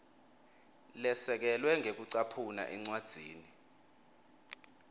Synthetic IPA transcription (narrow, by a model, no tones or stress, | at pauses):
lɛsɛk̬ɛlwɛŋʱek̬uǀapʰuna̰ʔɛŋ͡ǀwad̥z̥ʱiːni